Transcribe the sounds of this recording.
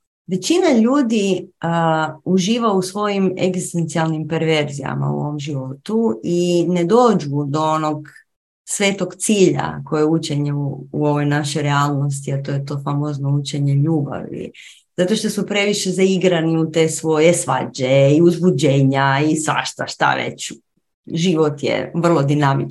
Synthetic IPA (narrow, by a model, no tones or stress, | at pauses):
ʋe̞t͡ɕinaʎuːd̪iəuʒiːʋausʋo̞jimḛɡzist̪e̞nt̪sialˠnimpeɾʋe̞ɾzija̰ma̰ṵo̞̰ʋo̞mʒiʋo̞t̪uine̞d̪o̞ːd͡ʒud̪o̞ono̞ɡ | sʋe̞ːt̪o̞ɡt̪siːʎa̰ko̞jeut͡ʃe̞ɲeuuo̞ʋo̞jnaʃeɾealˠno̞st̪iat̪oːjet̪o̞ːfamoznout͡ʃeɲeʎuːba̰ʋḭ | z̥at̪o̞ʃt̪o̞supɾe̞ʋiʃe̞zaiɡɾaniut̪e̞sʋo̞jesʋa̰d͡ʑeiuzbud͡ʑeːɲaisʋa̰ʃt̪aʃt̪a̰ʋḛt͡ɕ | ʒiʋo̞t̪jḛʋr̩lˠo̞d̪inamit͡ʃ